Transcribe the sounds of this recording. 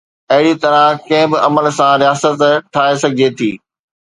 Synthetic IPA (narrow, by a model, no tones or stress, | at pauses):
ɐɦɪɽit̪ɐɾãkɐ̃ɦɪ̃bɪʔɐməlsãɾɪjaːsət̪ʈʰaːesɐɡʱɪd͡ʑet̪ʰiː